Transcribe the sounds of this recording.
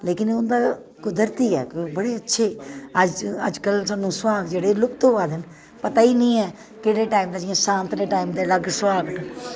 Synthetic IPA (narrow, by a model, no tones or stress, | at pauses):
leːkɪnʊnd̪aː | kʊd̪əɾt̪iːɛ̰ːkbəɽeːətːʃʰeːəd͡ʒəd͡ʒkəlsaːnːũːsʋaːɡd͡ʒeːɽeːlʊkt̪oːʋaːd̪ɪn | pət̪aːiːnĩːɛː | keːɽeːʈaːimd̪aːd͡ʒɪãːsãːnt̪ɾeːʈaːimd̪eːləɡsʋaːɡ